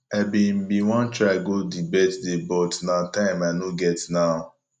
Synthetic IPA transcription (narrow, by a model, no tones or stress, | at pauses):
abĩm̩biwɔ̃nt͡ʃɹaɡodibɛtdebɔtnatãɪ̃manoɡɛtna